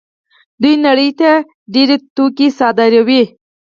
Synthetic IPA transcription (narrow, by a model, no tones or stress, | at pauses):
d̪ujnɐɽəjt̪a | ɖiɾet̪ukisɑːd̪aɾawi